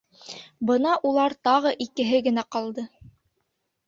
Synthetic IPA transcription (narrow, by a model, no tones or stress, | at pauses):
bɤn̪ɑʔulˠɑɾt̪ɑʁɤʔikɘ̆ɦɘɡɘ̆næqɑlˠd̪ɤ